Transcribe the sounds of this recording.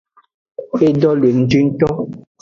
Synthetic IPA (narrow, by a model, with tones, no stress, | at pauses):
e˦dɔ˦lwe˨n̩˨˦d͡ʒi˦n̩˦tɔ˦